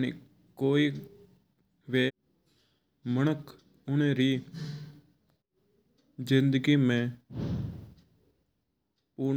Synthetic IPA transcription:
nḭ | koːiː | ʋeː | mənəkʰ | ʊneɾiː | zɪ̃nd̪əɡimẽː | puːɾ

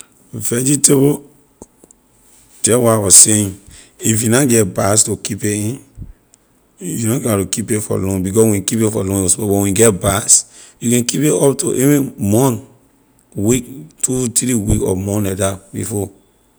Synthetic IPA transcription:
vɛd͡ʒitebo | d͡ʒɛwaawɔseĩn | ifjunaɡɛt̚bastokipeĩn | junõɡatokipefɔ̰lɔ̃nbikɔswĩkipefɔlɔ̃wɔsbɔbɔwĩɡɛtbas | jukɛ̃nkipeɔpto̰ʔevĩmɔ̃n | wiktʰutiɾiwikɔ̰mɔ̃nɛdabḭfɔ

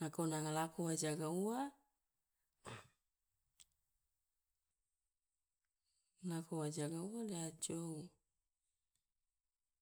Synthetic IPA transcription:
nakonaŋalakowad͡ʒaɡaua | lakowad͡ʒaɡauadead͡ʒou

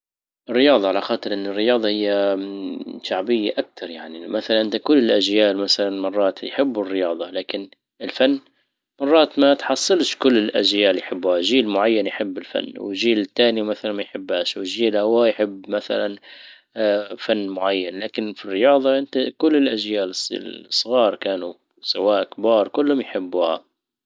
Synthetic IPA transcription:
ʔɪrːɪjɑːðˤɑʕalaxɑːt̪ˤɨɾʔɪnːɪrːɪjɑːðˤɑhɪjːa | ʃaʕbɪjːaʔak̚t̪ʰɑɾˤjaʕnimaθalanʔɪnt̪akʊlːɪlʔaʒjaːlmaθalanmɑrˤːɑːt̪jħɪbːɪrːɪjɑːðˤɑlaːkɪn | ʔɪlfanː | mɑrˤːɑːt̪mat̪ħɑsˤːɨlʃkʊlːɪlʔa̰ʒjaːljħɪbːʊhaʒiːlmʊʕajːanjħɪbːɪlfa̰nːwɪ̰ʒiːlɪt̪ːaːniwmaθalanmajħɪbːaːʃwɪʒiːlhawaːjħɪbːmaθa̰lan | fanːmʊʕajːanlaːkɪnfirːɪjɑːðˤɑʔɪnt̪akʊlːɪlʔaʒjaːlssˤːɣɑːɾˤkaːnu | sˤɪwaːʔkbɑːɾˤkʊlːhʊmjħɪbːuha̰

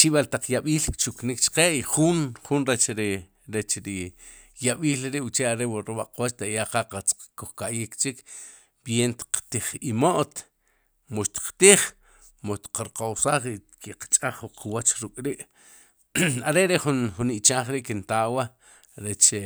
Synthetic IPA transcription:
t͡ʃiɓalt̪aq͡χjaɓiːlkt͡ʃuknikt͡ʃḁqeːiχunχunɾet͡ʃɾi | ɾet͡ʃɾi | jaɓiːlɾiʔwt͡ʃeaɾewaɾiɓa̰ʔqwat͡ʃt̪aʔjaqaqat͡skoχkaʔjikt͡ʃik | ɓjent̪i̥qt̪iχimoʔt̪ | moʃt̪i̥qt̪iχ | moʃt̪i̥qaɾqawsaːχi | kiqḁt͡ʃʼaχuqʰwat͡ʃɾukʼɾiʔ | aɾeɾeχunχuniʔt͡ʃaːχɾiʔkint̪awa | ɾet͡ʃ

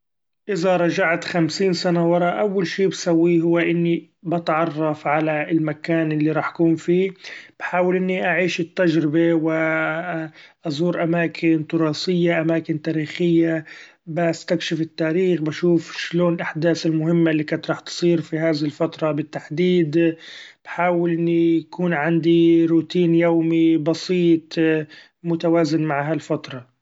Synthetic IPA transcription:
ʔɪzaɾˤɑd͡ʒaʕt̪xamsiːnsanawɑɾˤɑʔawːalʃiːbsawːiɦʊwːaʔɪnːi | bɑt̪ʕɑrˤːɑfʕalaɪlmakaːnʔɪlːiɾˤɑːħʔḁkuːnfiːb̥ħaːwɪlʔɪnːiʔaʕiːʃɪt̪ːad͡ʒɾɪbewɪ | ʔɑzˤuːɾʔamaːkʰɪnt̪ʊɾˤɑːsɪjːaʔamaːkɪnt̪aːɾiːxɪjːa | bast̪akʃɪfɪt̪ːaːɾiːxbaʃuːfʃloːnɪlʔaħd̪aːθɪlmʊɦɪmːalːikat̪ɾˤɑːħt̪sˤiːɾfiɦaːðɪhɪlfat̪ɾˤɑbɪt̪ːaħd̪iːd̪b̥ħaːwɪlʔɪnːijakuːnʕand̪iɾuːt̪iːnjowmibɑsiːt̪ˤ | mʊt̪awaːzɪnmaʕɦalfat̪ɾˤɑ

